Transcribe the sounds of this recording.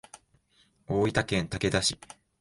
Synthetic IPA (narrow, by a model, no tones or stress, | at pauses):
oːit̪akẽ̞nt̪ake̞d̪aɕi